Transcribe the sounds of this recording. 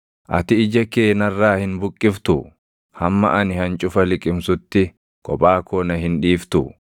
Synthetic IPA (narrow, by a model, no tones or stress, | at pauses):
ʔɐ̰t̪ɪɪd͡ʒɐkeːnɐrːaːhɪnbʊkʼːɪft̪ʊ | hɐmːɐ̰ʔɐnɪhɐnt͡ʃʼʊfɐlɪkʼɪmsʊt̪ːɪ | kʼɔpʼaːkɔːnɐɦɪnᶑiːft̪ʊ